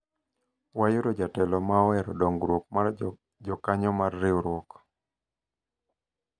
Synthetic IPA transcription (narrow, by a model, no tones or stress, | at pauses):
wajʊɾɔd͡ʒatɛlɔmawɛɾɔdɔŋɡɾwɔk̚ma | d͡ʒɔkaɲɔmarːɪoɾwɔk